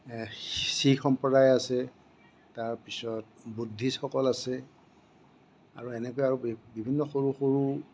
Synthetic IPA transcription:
sixɔmpɔdajasɛ | taɹpisɔt̚ | budʱːisxɔkɔlasɛ | aɹuɛnɛkojaɹubibʱinːɔxoɹuxoɹu

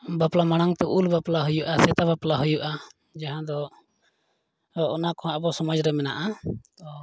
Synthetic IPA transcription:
baplamaɽ̃aŋt̪ɛʔulbaplaɦujuʔasɛt̪abaplaɦujuʔa | d͡ʒaɦãd̪ɔ | nakɔɦãbɔsɔmɔd͡ʒɾɛmɛna̰ʔat̪ɔ

